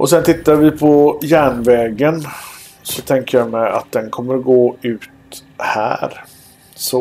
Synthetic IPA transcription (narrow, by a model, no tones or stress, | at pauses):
ʔɔsɛnt̪ʰɪt̪ːavɪpʰɔjæːɳvɛːɡən | sɔt̪ʰɛŋkəjamɛja̰t̪̚d̪ɛnkʰɔmːəɾɡoːʉ̟ːt̪ | hæ̰ːɾ | sɔ